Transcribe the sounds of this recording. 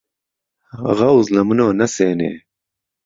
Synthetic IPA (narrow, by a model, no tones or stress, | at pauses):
ʁɐwzlɐmunoːnɐseːnḛː